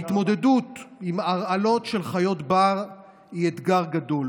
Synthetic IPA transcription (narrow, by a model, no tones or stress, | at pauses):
it̪mo̞d̪e̞dutimaʁalo̞tʃe̞lχajo̞tbaʁ | iet̪ɡaʁɡado̞l